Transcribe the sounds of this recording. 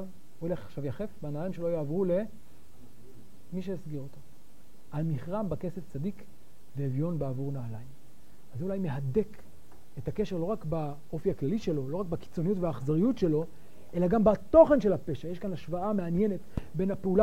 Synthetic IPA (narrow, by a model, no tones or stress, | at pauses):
v | ole̞χaχʃavjaχe̞fbenalajimʃelo̞jaːvʁule̞ | miʃ̬ejasɡiʁot̪a | almiχʁambake̞seft͡sadik | veːvjo̞nbeavuʁnaːlajim | azeulajme̞ɦade̞k | etakeʃe̞lo̞ʁakba | o̞fiaklaliʃe̞lo̞lo̞ʁakbaki̥t͡so̞nijutveaːχzaʁijutʃe̞lo̞ | ʔe̞laɡambat̪o̞χe̞nʃe̞lapeʃajeʃkanaʃvaameanje̞ne̞tbe̞napeula